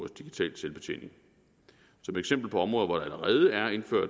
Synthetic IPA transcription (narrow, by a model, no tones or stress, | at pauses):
ɐsd̥iɡ̥it͡sʰɛ̰ːl̥selb̥e̝t͡sʰe̝̰ːne̝ŋ | sɒ̽meɡ̥sem̰b̥l̩pʰɒ̽ɒ̽mʁɔ̽ːðˠʋɒɾ̥ɑ̈æləʁɛːð̞ˠəæɐe̝nføɐ̰d̥